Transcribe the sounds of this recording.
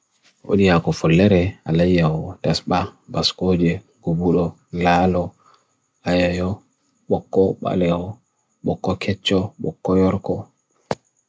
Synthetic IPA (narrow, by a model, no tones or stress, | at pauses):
ʔo̰ɗijakɔfɔlːɛɾɛalajːawɔdasɓabaskoːd͡ʒɛ | ɡ̥ubuɗɔ | laːlɔ | ajajɔ | ɓɔkːɔɓa̰lɛhɔ | ɓɔkːɔkʰɛt͡ʃːɔɓɔ̰kːɔjɔɾkɔ